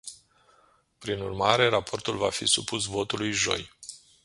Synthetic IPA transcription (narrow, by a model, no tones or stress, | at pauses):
pɾinurmaɾe̞ɾapo̞rt̪ulvafḭsupusvo̞t̪ulujʒo̞̰j